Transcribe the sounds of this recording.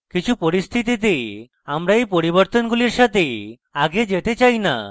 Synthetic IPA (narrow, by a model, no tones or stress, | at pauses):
kit͡ʃʰupɔɾist̪ʰit̪it̪̬i | amɾaejpɔɾiβɔɾt̪ɔnɡuliɾʃat̪e | aɡed͡ʒet̪et͡ʃajna̰